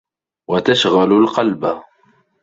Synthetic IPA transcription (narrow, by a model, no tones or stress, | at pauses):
wat̪aʃɣalʊlqɑlba